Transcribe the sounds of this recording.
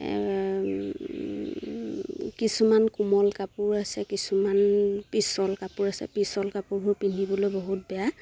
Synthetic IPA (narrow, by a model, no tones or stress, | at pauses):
kisumankumɔlkapʊɹasɛkisumanpisɔlkapuɹasɛ̰pisɔlkapuɹbʱuɹpinʱibɔlojbɔɦut̚bɛja